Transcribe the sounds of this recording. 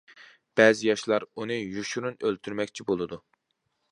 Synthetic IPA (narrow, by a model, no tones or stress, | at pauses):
b̥ɛːzɪjɑʃlˠɑɾunɨjuʃuɾunølt̪ʰyɾmɛkʲt͡ʃʰibolˠɨd̪u